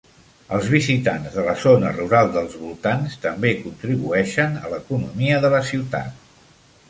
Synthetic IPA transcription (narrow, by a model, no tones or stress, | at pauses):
əlˠzβ̞izit̪anzðələzonəruɾalˠd̪əlˠzβulˠt̪anst̪əmbekunt̪ɾiβuɛʃənə̰ləkunumiəðələsiwt̪a̰t̪̚